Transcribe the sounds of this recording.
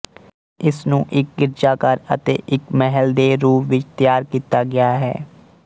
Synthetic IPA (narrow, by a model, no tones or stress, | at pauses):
ɪsnũːʔɪk̚ɡɪɾd͡ʒaːkəɾət̪ḛːʔɪkmɛɦəld̪eːɾuːpʋɪt͡ʃt̪jaːɾkiːt̪aːɡɪjaːɦɛ̰ː